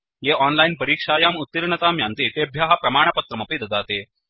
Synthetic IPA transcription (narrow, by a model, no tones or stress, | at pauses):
jeʔɔnlainpɐɾiːkʂaːjaːmut̪ːiɾɳɐt̪aːmjant̪it̪ebʱjaːɦɐpɾɐmaːɳ̃ɐpɐt̪ɾɐmɐpiːd̪ɐd̪ʱaːt̪eː